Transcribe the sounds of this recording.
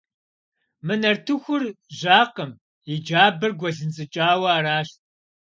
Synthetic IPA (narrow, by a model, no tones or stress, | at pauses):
mɨnɐrtʰɨxʷʊrʑaːqəm | id͡ʒaːbɐrɡʷɔɮɨnt͡sʼɨt͡ʃʼaːwɐaːraːʃt̚